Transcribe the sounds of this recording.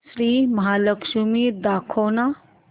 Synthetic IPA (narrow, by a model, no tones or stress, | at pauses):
sɾiːmɐɦaːləkʃumiːɾd̪aːkʰona